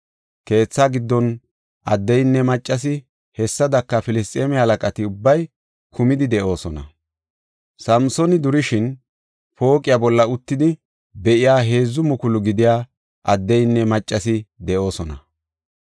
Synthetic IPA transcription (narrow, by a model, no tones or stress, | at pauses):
ke̞ːt͡sːaɡɪd̪ːɔn | ʔɐ̰d̪ːɛjnːɛmɐt͡ʃʼːɐs̬ɪ | hɛsːɐd̪ɐkːɐfɪlɪs̬t̪ʼeːmɪhɐlɐkʼɐt̪ɪʊbːɐj | kʰʊmɪd̪ɪd̪ɛʔo̞ːsɔnɐ̰ | sɐmsɔnɪd̪ʊɾɪʃɪn | po̞ːkʼɪjabɔlːɐʊt̪ːɪd̪ɪ | bɛʔɪjaːɦe̞ːzːʊmʊkʊlʊɡɪd̪ɪjaː | ʔɐd̪ːɛjnːɛmɐt͡ʃʼːɐsɪd̪ɛʔo̞ːsɔnɐ